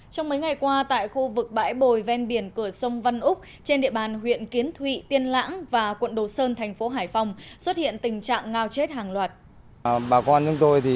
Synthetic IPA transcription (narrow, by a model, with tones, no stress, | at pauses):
t͡ɕɔ˧wŋ͡mmə˨˦jŋa˨˩jkwaː˧t̪a̰ː˧˨jxu˧vɨ˨˩k̚ɓa̰ː˧˥jɓo˧˨˩jvɛ˧nɓi˧˩ənkɨ˧˩əsə˧wŋ͡mva˧nʔʊ˦˥k͡p̚ | t͡ɕe˧nɗḭ˧˨əɓaː˨˩nɦwḭ˧˨ənki˨˦ənt̪ʰwḭ˧˨t̪i˧ənla̰ː˧˥ŋvaː˨˩kwə̰˧˨nɗo˨˩səː˧nt̪ʰɛ˨˩jŋ̟fo˨˦ɦaː˧˩jfa˧wŋ͡mswə˦˥t̚hḭ˧˨ənt̪ï˨˩ŋ̟t͡ɕa̰ː˧˨ŋːaː˧wt͡ɕe˦˥t̚ɦaː˨˩ŋlwaː˨˩t̚ | ɓaː˨˩kɔ˧nt͡ɕʊ˨˦ŋ͡mt̪o˧jt̪ʰi˨˩